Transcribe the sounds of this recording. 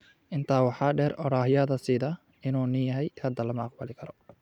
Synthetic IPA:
ʔɪnt̪ʰaːwɑħɑːɖɛːɾɔɽaːhɪjɐðɐsɪðɐ | ɪnuːnɪjɐɦɛjkʰɐd̪ɐlɐmɐɑq̚bɐlɪkʰɐɾɔ

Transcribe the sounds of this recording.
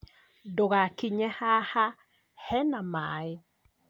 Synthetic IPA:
doɣakiɲɛhaha | hɛnamae

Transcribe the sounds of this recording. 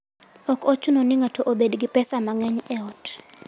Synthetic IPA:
ɔkot͡ʃunonɪŋatʰoʔobedɡipɛsamaŋɛɲɛɔt

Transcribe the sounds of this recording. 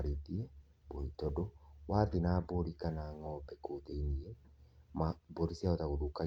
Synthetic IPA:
ɾetiɛ | boitɔdowaðinaboɾikanaŋɔbɛkoðeiniɛmaboɾisiaɔðaɣoðuka

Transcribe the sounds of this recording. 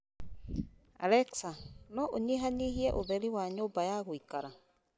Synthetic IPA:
a̰lɛksanɔʔoɲeɦaniɦiɛʔoðɛɾiwaɲoːmbajaɣoikaɾa

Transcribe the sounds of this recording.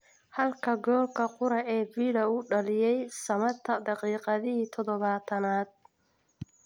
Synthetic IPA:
hɐlkʰɐɡɔːkʰɐqʊɾɐɛːbiːɽɐʊɖɐlɪjɛjsɐmɐt̪ʰɐd̪ɑqiːqɑðɪit̪ʰɔðɔβaːt̪ʰɐnaːd̪̚

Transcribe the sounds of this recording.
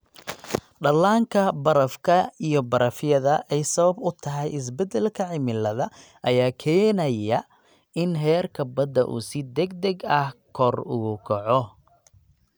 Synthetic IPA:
ɖɐlaːŋkʰɐbɐɾɐfkʰɐijɞbɐɾɐfjɐðɐʔɛjsɐβɐbʊt̪ʰɐɦɛjɪs̬bɛd̪ɛlkʰɐʕɪmɪlːɐðɐ | ʔɐjaːkʰɛːnɐjɐ | ɪnɦɛːrkʰɐbɐd̪ɐʔṵːsɪd̪ɛɡd̪ɛɡɐhkʰɔrʊɣʊkʰɔʕɔ

